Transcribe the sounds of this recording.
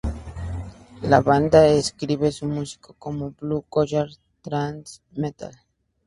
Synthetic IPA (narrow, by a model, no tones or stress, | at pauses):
laβand̪aeskɾiβesumusi̥kokomoblukoʃaɾ | t̪ɾans | met̪a̰l